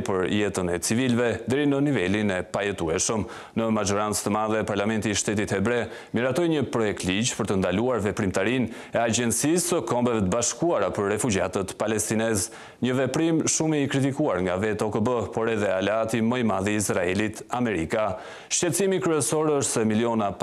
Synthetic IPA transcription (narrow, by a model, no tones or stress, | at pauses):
pəɾjɛt̪ənɛt͡sivilvɛd̪ɛɾinənivɛlinɛpajɛt̪uɛʃəm | nəmad͡ʒɔɾant͡st̪əmaðɛpaɾlamɛnt̪iːʃt̪ɛt̪it̪ɛbɾɛ | miɾat̪ɔjɲəpɾɔjɛk̚t̪lid͡ʑpəɾt̪ənd̪aluaɾvɛpɾimt̪aɾin | ɛad͡ʒɛnsisəkɔmbɛvɛt̪əbaʃkuaɾapəɾːɛfud͡ʒa̰t̪ət̪palɛst̪inɛz | ɲəvɛpɾimʃumiːkɾit̪̬ikuaɾŋɡavɛt̪ɔkəbəpɔɾɛðɛalɛat̪imɔjmaðiisɾaɛlit̪amɛɾika | ʃt͡ʃɛt̪t͡simikɾyɛsɔɾɔʃsɛmiljɔna